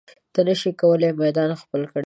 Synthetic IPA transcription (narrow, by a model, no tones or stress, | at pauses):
t̪ənəʃikawəlemajd̪ɑnxpəlkəɽ